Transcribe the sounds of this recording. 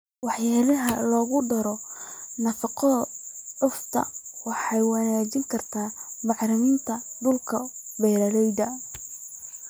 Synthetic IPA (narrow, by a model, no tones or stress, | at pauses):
wɑħjaːlɐɦɐlɔːɣʊɖɐɾɔnɐfɑqɔɖʊft̪ʰɐ̰wɑħɑjwɑnaːt͡ʃɪŋkʰɐrt̪ʰaːbɑħɾɪmɪnt̪ʰɐd̪ʊlkʰɐbɛːlɐlɛjd̪ɐ